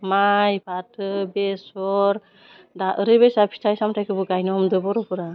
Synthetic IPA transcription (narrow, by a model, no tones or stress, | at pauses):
majbatʰɯbesɔɾ | daʔɯɾɯbesapʰi̥tʰajsamtʰajkɯbɯɡajnɔɔmdɯbɔɾɔpɯɾa